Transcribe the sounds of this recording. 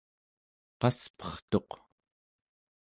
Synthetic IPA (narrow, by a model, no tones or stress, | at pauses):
qɑspʌ̥χt̪o̞q